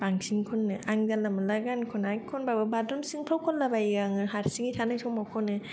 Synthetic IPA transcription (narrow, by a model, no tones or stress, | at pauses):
baŋsiŋkʰɔnːɯʔaŋzalːamɯlaɡankʰɔnakʰɔnbabɯbadunsɯŋpʰawkʰɔnlabajɡaŋɯhaɾsiŋitʰanajsʰɔŋmawkʰɔnɯ